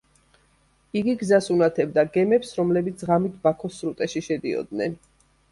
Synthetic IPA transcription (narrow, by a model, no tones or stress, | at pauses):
iɡiɡzasunat̪ʰɛbd̪aɡɛmɛpsɾɔmlɛbit̪sʰʁamit̪̚ʰbakʰɔsɾut̪ʼɛʃiʃɛd̪iɔ̰d̪nɛ̰n